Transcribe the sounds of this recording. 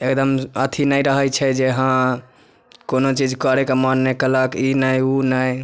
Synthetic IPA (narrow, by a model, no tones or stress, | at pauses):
ekd̪əmət̪ʰinəjɾəɦəjt͡ʃʰɛd͡ʒeɦã | konot͡ʃid͡ʒkɔɾekemanːekələkinəjunəj